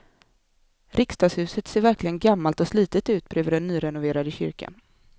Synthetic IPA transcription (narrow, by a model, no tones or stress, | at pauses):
ɾʔɪkst̪ɑːɡshʉ̟ːsət̪seːɾvæɾklɪɡənɡamːalt̪ɔsliːt̪ət̪ʉ̟ːt̪̚bɾøːvəɖɛnːyːɾɛnʊveːɾad̪əɕʏ̰ɾka̰n